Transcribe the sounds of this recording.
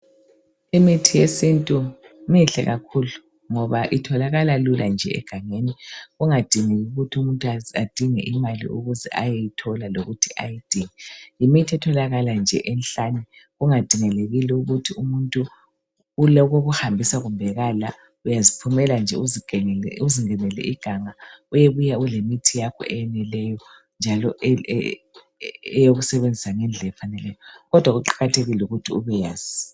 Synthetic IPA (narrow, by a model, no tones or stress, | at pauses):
imitʰijesintʼu | miɬɛ̰ɣakʰulu | ŋɔβaʔitʰɔlaɣalalulʔand͡ʒʱɛ̰ɛ̰ɡ̥ʱaŋeniɣuŋad̥ʱiŋɛɣuɣutʰiumuntʼuad̥ʱiŋɛ̰ʔimalḭʔṵɣuzɛ̰ʔajejitʰɔlaloɣutʰiʔa̰jid̥ʱiŋɛjimitʰiɛtʰɔlaɣaland͡ʒʱɛ̰ʔɛnɬanɛ | ɣuŋad̥ʱiŋɛleɣilɛuɣutʰiumuntʼuː | lɔɣoɣuhambʱisaɣumbʱɛɣala | ujazipʰumɛland͡ʒʱɛu | uziŋɛnɛlɛ̰ʔiɡ̥ʱaŋaujeβujaulemitʰijakʰɔ̰ʔɛjɛnɛlɛjɔ | nd͡ʒʱalɔʔ | ɛjoɣusɛβend͡zʱisaŋɛnd͡ɮʱɛɛfanɛlɛjɔɣɔd̥ʱwaɣuǃḁɣatʰeɣilɛuɣutʰiuβɛjaːz̥i̥